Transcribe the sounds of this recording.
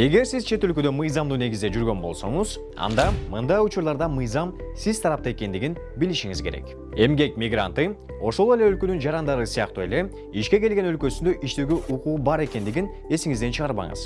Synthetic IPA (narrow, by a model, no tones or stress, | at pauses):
e̞ɡe̞ɾsizt͡ʃʰe̞t̪ølkød̪ø̞mɯjzɑmd̪uːne̞ɡizd̪e̞d͡ʒyɾɡø̞nbo̞̰lˠso̞̰ɴuz̥ | ɑ̰nd̪ɑmɯnd̪ɑjut͡ʃuɾlˠɑɾd̪ɑmɯjzɑmsizt̪ʰɑɾɑp̚t̪ɑe̞ke̞nd̪iɡin | biliʃiŋizkʰe̞ɾe̞̰k | e̞mɡe̞kmʲiɡra̰nt̪ɯ | o̞ʃo̞lˠe̞le̞ølkø̞nynd͡ʒɑɾɑnd̪ɑɾɯsɯjɑq̚t̪ue̞le̞ | iʃkʲe̞ke̞lɡe̞nø̞lkø̞synd̪øʔiʃt̪eɡøʔuquːbɑɾe̞ke̞nd̪iɡin | e̞siŋizd̪ent͡ʃʰɯʁɑɾβɑ̰ɴɯ̰z